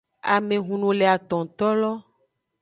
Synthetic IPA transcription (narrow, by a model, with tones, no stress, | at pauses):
a̰˨mẽ˨ɦũ˨nũ˨le˨a˨t̪ɔ̃˨t̪ɔ˦lɔ˦